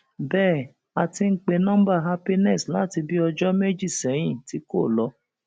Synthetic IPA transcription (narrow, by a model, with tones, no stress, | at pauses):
bɛː˦˨ | a˧ti˧ŋ̩˦k͡pe˧nã˦m̩˦ba˦˨ɦa˦pi˦nɛ˦˨sla˦˨ti˧bi˦ɔ˧d͡ʒɔ˦me˦d͡ʒi˦˨sɛ˨˦j̃ĩ˦˨ti˨˦ko˦˨lɔ˧˦